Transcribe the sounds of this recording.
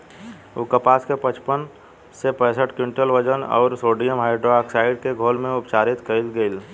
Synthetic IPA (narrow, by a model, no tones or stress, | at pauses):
ukəpaːskepət͡ʃpən | sepɛ̃ːsəʈkɪ̃ɳʈəlʋəd͡ʒənɔ̰ːɾsoːɖijəmɦaːɪɖɾoaksaːɪɖ̚keɡʱoːlmẽʊpt͡ʃaːɾɪt̪kəɪlɡəɪl